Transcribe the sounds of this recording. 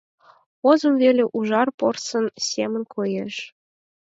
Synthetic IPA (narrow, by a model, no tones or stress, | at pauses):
ozɤ̆mvelʲeʔuʒɑrpɤrsɤ̆nsʲemə̆nkʰojeʃ